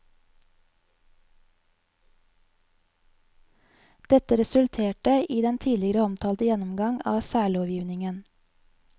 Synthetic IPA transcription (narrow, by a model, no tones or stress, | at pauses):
d̪̥ɛt̪əɾɛsʉlt̪ʰeːʈəʔiːd̪ɛnt̪ʰiːlɪəɾəɔmt̪ʰɑːlt̪əjɛnʊmɡɑŋɑ̰ːsæːɭɔʋjiːʋnɪŋən